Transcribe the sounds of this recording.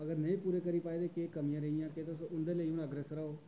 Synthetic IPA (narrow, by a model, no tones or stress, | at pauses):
əɡəɾnəĩːpuːɾeːkəɾiːpaːeːd̪eːkeːkəmijãːɾəijãːket̪ʊsõːʊnd̪eːləiũːnəɡɾɛsɾəoː